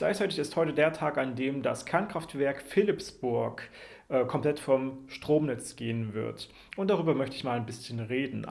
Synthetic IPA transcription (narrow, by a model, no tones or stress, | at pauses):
ɡ̥la̰ɪçt͡saɪtɪçɪsthɔʏtədeːɐtʰaːkandeːmdaskʰɛɐnkʁ̥aftv̥ɛɐkfɪlɪpsb̥ʊɐk | ʔɛːkʰɔmpl̥ɛtfɔmʃtʁ̥oːmnɛt͡sɡ̥eːənvɪ̰ɐt | ʔʊnt̚d̥aʁ̞yːbɐmœçtəɪçmaːlaɪnbɪsçənʁeːdn̩